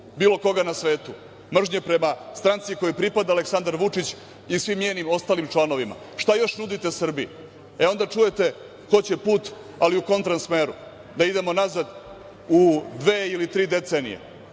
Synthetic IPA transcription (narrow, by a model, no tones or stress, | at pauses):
biːlo̞ko̞ɡanasʋe̞ːt̪u | mr̩ʒɲepɾe̞mast̪ɾant̪siko̞jopɾipad̪aːleksand̪aɾʋut͡ʂit͡ɕ | isʋimːɲeːnimo̞st̪aːlimt͡ʂlˠano̞ʋima̰ | ʃt̪ajo̞ʃnud̪it̪e̞sr̩bi | eo̞nd̪at͡ʂuje̞t̪e̞ | ko̞t͡ɕe̞puːt̪ | aliuko̞nt̪ɾansme̞ːɾṵ | d̪aid̪e̞mo̞nazad̪ | ud̪ʋeːilit̪ɾiːd̪e̞t̪se̞ːnḭjḛ